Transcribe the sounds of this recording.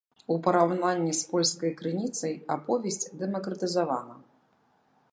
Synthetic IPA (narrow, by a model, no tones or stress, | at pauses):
upɐɾawnanʲːispɔlʲskɐjkɾɨnʲit̪sɐjapɔvʲɛsʲt͡sʲd̪ɛmɐkɾɐt̪ɨzava̰nɐ